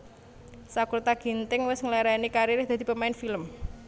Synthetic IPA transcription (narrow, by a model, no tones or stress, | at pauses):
sakuɾt̪aɡ̥i̤nt̪ɪŋwɪsŋlɛɾanikaɾiɾɪhd̪̥a̤d̪̥i̤pəmaɪnfiləm